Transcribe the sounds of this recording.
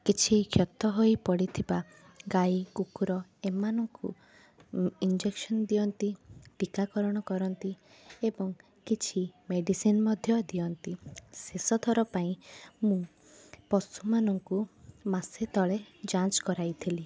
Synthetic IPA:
kit͡ʃʰikʰjɔt̪ɔɦojpɔɽit̪ʰiba | ɡajkukuɾɔemanɔŋkṵ | ind͡ʒekʃɔnd̪iɔnt̪iʈikakɔɾɔɽ̃ɔkɔɾɔnt̪i | ebɔŋ | kit͡ʃʰimeɖisinmɔd̪ʱjɔd̪iɔnt̪isesɔt̪ʰɔɾɔpaĩmũ | pɔsumanɔŋkumaset̪ɔɭed͡ʒant͡ʃkɔɾajt̪ʰili

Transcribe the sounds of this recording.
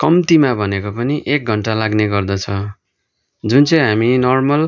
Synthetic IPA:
kʌmt̪imabʱʌnekopʌniʔek̚ɡʱʌɳʈalaɡneɡʌrd̪ʌt͡sʰʌ | d͡zunt͡sʌj̃ɦaminʌrmʌl

